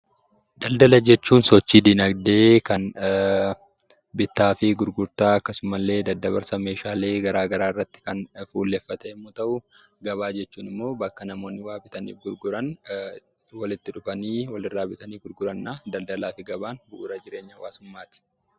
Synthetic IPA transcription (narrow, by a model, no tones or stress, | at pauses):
d̪ɐld̪ɐlɐd͡ʒɛt͡ʃːuːnsɔt͡ʃːiːd̪ɪnɐɡd̪e̞ːkɐn | bɪt̪ːaːfɪɡʊɾɡʊɾt̪aːɐkːɐsʊmɐlːe̞ːd̪ɐd̪ːɐbɐɾsɐme̞ːʃaːle̞ːɡɐɾaːɡɐɾaːɪrːɐt̪ːɪ̥kɐnfuːlːefːɐt̪eːmːʊt̪ɐʔʊ | ɡɐβaːd͡ʒɛt͡ʃːuːnɪmːo̞ːbɐkːɐnɐmo̞ːnːɪwaːbɪt̪ɐnḭːfɡʊɾɡʊɾɐn | wɐlɪt̪ːɪᶑʊfɐniːwɐlɪrːaːbɪt̪ɐniːɡʊɾɡʊɾɐnːaːd̪ɐld̪ɐlaːfɪɡɐbaːnbʊʔʊɾɐd͡ʒɪɾe̞ːɲːɐwa̰ːsʊmːaːt̪ɪ̥